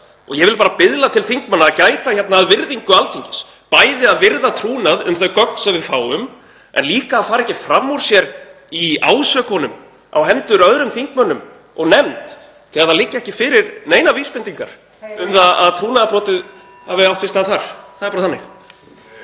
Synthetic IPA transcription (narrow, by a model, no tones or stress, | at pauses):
ɔɣjɛvɪlpaːɾapɪðlat̪ʰɪlθiŋ̥kmœnːaːcaːjt̪ajçɛt̪naːðvɪɾðiŋkʏalfiɲcɪs | paːjðɪaðvɪɾðat̪ʰɾuːnaðʏmθœɥkœk̚nsɛmvɪðfaːwʏm | ʔɛ̰nliːkaːðfaːɾɛhcɪfɾamːɔɾ̥sjɛɾ | iaːwsœkhɔnʏm | a̰whɛnt̪ʏɾœðɾʏmθiŋ̥kmœnːʏm | ɔ̰ɣnɛmt̪ | θɛɣðalɪcːaɛhcɪfɪːɾɪɾneːjnaviːspɪnt̪iŋka̰ɾ̥ | ʏmθaða̰ðt̪ʰɾuːnaðapɾɔːt̪ɪð | avɪawht̪fɪst̪aθaɾ̥θaðɛɾpaɾaθanːɪx